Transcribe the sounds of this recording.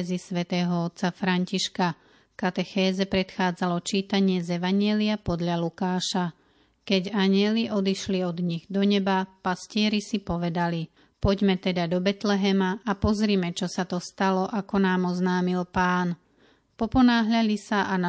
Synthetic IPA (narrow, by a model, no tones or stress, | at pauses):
zisʋɛt̪ɛːɦɔɔt̪t͡safɾaɲciʃka | kat̪ɛxɛːzɛpɾɛt̪xaːd͡zalɔt͡ʃiːt̪aɲɪɛzɛʋaɲɪɛliapɔd̪ʎalukaːʃa | kɛɟaɲɪɛliʔɔd̪iʃliɔd̪ɲiɣd̪ɔɲɛbapascɪɛɾisipɔʋɛd̪ali | pɔɟmɛt̪ɛd̪ad̪ɔbɛt̪lɛɦɛmaapɔzɾiːmɛt͡ʃɔsat̪ɔst̪alɔʔakɔnaːmɔznaːmilpaːn | pɔpɔnaːɦʎaʎisaʔana